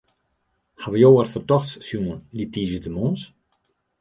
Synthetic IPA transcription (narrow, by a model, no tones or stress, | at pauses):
havəjowərfərtɔxtssjuənlitiːvəzdəmɔːns